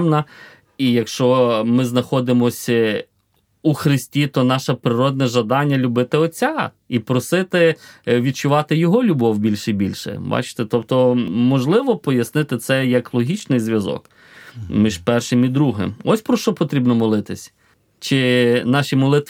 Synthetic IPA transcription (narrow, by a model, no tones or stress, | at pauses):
mnɐ | ijɐkʃt͡ʃɔmɪznɐxɔd̪ɪmɔsʲ | uxɾɪsʲtʲit̪ɔnɑʃɐpɾɪɾɔd̪nɛʒɐd̪ɑnʲːɐlʲʊbɪt̪ɪɔt͡sʲɑ | ipɾɔsɪt̪ɪʋʲid̪̚t͡ʃʊʋɑt̪ɪjɔɦɔlʲʊbɔwbʲilʲʃibʲilʲʃɛ̰bɑ̰t͡ʃɪ̥t̪ɛt̪ɔpt̪ɔmɔʒlˠɪʋɔpɔjɐsnɪt̪ɪt̪sɛjɐklˠɔɦʲit͡ʃnɪjzʲʋʲjɐzɔ̰k | mʲiʒpɛrʃɪmid̪ɾuɦɪ̰mɔsʲpɾɔʃt͡ʃɔpɔt̪ɾʲibnɔmɔlˠɪt̪ɪsʲ | t͡ʃɪnɑʃʲimɔlˠɪt̪